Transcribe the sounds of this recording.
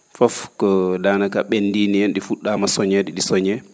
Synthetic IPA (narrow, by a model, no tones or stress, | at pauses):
fɔfkɔdaːnakaɓenːdiːniɛnɗifuɗːamasɔɲɛɗiɗisɔɲɛ